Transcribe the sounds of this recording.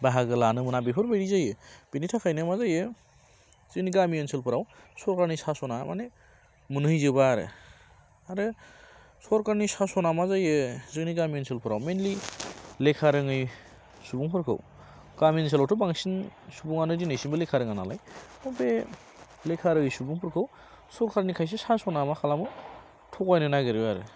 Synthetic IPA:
baɦaɡɯlanɯmɯnabepʰɯɾbajɾizajɯb̥initʰakʰajnɯmazajɯ | z̥ɯniɡamiɔnselpʰɯɾaw | sɔɾkaɾnisasɔnamʔa̰ne | mɯnɯjzɯbaɾɯ̰ | aɾɯ | sɔɾkaɾnisasɔnamazajɯzɯniɡamiɔnselpʰɯɾawmenlilekʰaɾɯŋɯj | subuŋpʰɯɾkʰɯ̰w | ɡ̥amens̬elawtʰubaŋsinsubuŋanɯdinɯjsinbɯlekʰaɾɯŋanalajɔbe | lekʰaɾɯŋɯjsubuŋpʰɯɾkʰɯw | sɔɾkʰaɾnikʰajs̬esasɔnamakʰalamɯ | tʰɔkajnɯnaɡɯɾiwaɾɯ̰

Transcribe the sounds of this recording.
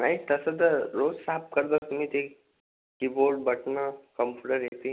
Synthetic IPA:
nait̪əsəd̪əɾod͡zsap̚kəɾd̪at̪um̤it̪ek | kiboɾɖ̚bəʈnakəmpʰuɖəɾjet̪i

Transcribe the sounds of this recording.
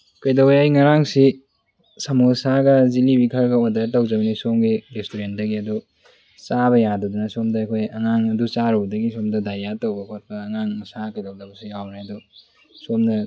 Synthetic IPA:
kɐjdawejajŋɐɾaŋsi | sɐmusaɡɐzilibikʰɐɾɡɐɔdatɐwzɐbɐnisomɡiɾestuɾendɐɡiɐdu | t͡ʃaβɐjadudunasomdɐɐkʰojɐŋaŋɐdut͡ʃaɾɔwdɐɡisomdɐdajatɐwbɐkʰot̚bɐːŋaŋsakɐjdawdabsiawnaɐdu | somdɐ

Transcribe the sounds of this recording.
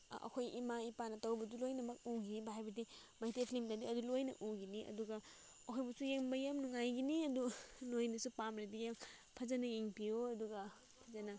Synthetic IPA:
ɐ̰kʰojimaipanɐtawbɐdulojnɐmɐk̚uwɡibaɦajbɐdi | mɐhitepʰilimtadiɐdulojnɐ̰ʔuɡiniʔɐ̰duɡɐ | ɐkʰojbusujeŋbɐjamnuŋajɡiniɐdunojnɐsupamɾedijaŋpʰɐzɐnɐjeŋpioɐduɡɐ | pʰɐzɐnɐ

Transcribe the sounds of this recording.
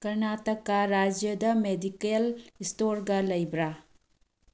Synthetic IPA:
kɐɾnatɐkːaɾad͡ʒjɐdɐmedikelistoɾɡɐlɐjbɾa

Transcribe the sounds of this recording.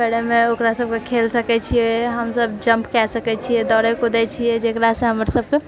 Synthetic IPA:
bəɽemeokɾasəb̚kekʰelsəkɛt͡ʃʰijɛɦəmsəbd͡ʒəmpkɛsəkɛt͡ʃʰijɛd̪ɔɾɛkod̪ɛt͡ʃʰijɛd͡ʒekɾasẽɦəməɾsəb̚ke

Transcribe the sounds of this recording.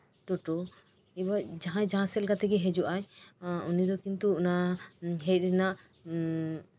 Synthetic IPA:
ʈuʈɔ | ibad͡ʒaɦãd͡ʒaɦãsɛlkat̪ɛɡɛɦɛd͡ʒuʔajunid̪ɔkint̪uɔnaɦɛjt̪̚ˀɾɛnaʔ

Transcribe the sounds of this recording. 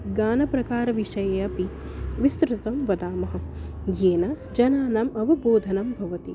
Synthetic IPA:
ɡaːnɐpɾɐkaːɾɐʋiʃɐjɐjɐpi | ʋist̪ɾɨt̪ɐmʋɐd̪aːmɐɦɐ̆ | jeːnɐ | d͡ʒɐnaːnaːmɐʋɐboːd̪ʱɐnɐmbʱɐʋɐt̪i

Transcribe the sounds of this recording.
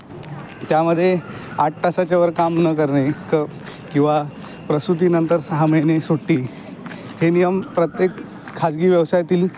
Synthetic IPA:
t̪jaməd̪ʱːjeaʈ̚ʈəsat͡ɕaʋəɾkamnəkəɾɳekə | kĩw̃ʋa | pɾəsɾut̪̬iːnənt̪əɾsaɦamenesoʈːiː | henijəmpɾət̪jekʰː | ad͡zɡiːʋjəʋsajt̪iːl

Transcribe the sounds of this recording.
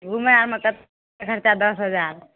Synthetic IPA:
ɡumənaɾməkːət̪ | akʰəɾt͡ɕad̪ɔsɦəd͡zaɾ

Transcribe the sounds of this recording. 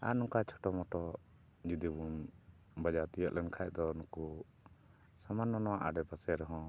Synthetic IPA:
a̰nũŋkat͡ʃʰɔ̥ʈɔmɔʈɔ | d͡ʒud̪ibun | bad͡ʒat̪ijəʔlɛnkʰaj̚d̪ɔnɔku | samanːɔnɔwaʔa̰ɖɛbasɛɾɛɦɔ̃

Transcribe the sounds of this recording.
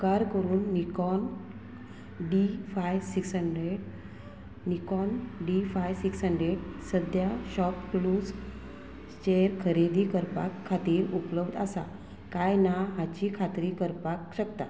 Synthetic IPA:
kaɾkəɾuːnːikɔn | ɖifajsiksɦəɳɖɾeɖ | nikɔnɖifajsiksɦəɳɖɾeɖsəd̪ʱjaɕɔpkluːs | t͡ɕeɾkʰəɾed̪iːkəɾpa̰kʰːat̪iːɾupləbd̪asa̰ | kajnaɦat͡ɕiːkʰat̪ɾiːkəɾpakɕəkt̪a̰

